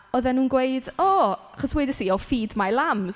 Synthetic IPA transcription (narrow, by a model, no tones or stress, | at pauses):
ɔðɛnuːnɡwejdɔaχɔswɛdəsiɔfiːdmalˠam